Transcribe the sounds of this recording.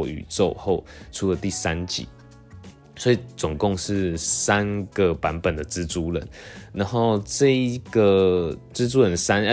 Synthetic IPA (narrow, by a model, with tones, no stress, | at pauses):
y̰˨˩t͡so˥˧ʊxo˥˩ʊʈ͡ʂʰu˥lə˨t̪i˥˩sa˦nt͡ɕḭ˨˩˦ | swɔ˧˥i˨˩t͡sʊ˨˩ŋkʊ˥˧ŋʂɻ̩˥˩sa˦˥nɡ̥ə˨pa˧˥npə˨˩nd̪ə˩ʈ͡ʂɻ̩˥t͡su˥lə̰˨˦nna˧˦nxo˥˧ʊʈ͡ʂɤ˥˩i˦˥ɡ̥ə˨ʈ͡ʂɻ̩˥t͡su˥ɻə˧˦nsa˥n˧